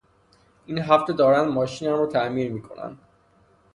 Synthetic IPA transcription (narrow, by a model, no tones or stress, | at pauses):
iːnɦæft̪ʰe̞d̪ɒːɾænd̪mɒːʃiːnɒnɾɔːt̪ʰæʔmiːnmiːkʰo̞̰næ̰nd̪̥